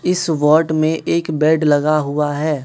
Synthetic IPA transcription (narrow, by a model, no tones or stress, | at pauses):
ɪsʋɔːɾʈmẽʔeːkbɛːɖlɐɡaɦʊaɦɛː